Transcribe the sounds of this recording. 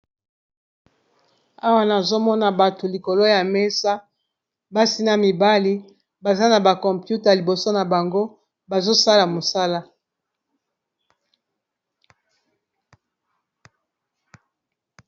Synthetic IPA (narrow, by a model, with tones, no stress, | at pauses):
a˦wa˦na˨zo˦mɔ˦na˨ba˨to˨li˨ko˨lo˦ja˨me˦sa˦ | ba˦si˦na˦mi˨ba˦li˦ | ba˨za˦na˨ba˨kɔ˨mpju˦ta˨li˨bo˨so˦na˨ba˨ŋɡo˦ | ba˨zo˦sa˦la˨mo˨sa˦la˦